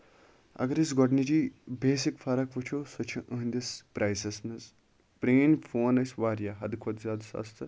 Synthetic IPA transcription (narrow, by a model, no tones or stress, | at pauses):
ɐ̰ɡɐɾisɡɔɖnid͡ʒiːbeːsikfʰɐɾɐkʋut͡ʃʰoːsot͡ʃʰiʔəɦnʲd̪ʲispɾʔaːjsɐsmɐz | pɾeːnfʰoːnɐsʲʋaːɾjaɦɐd̪kʰʋod̪zʲjaːd̪sɐ̰st̪ʰɨ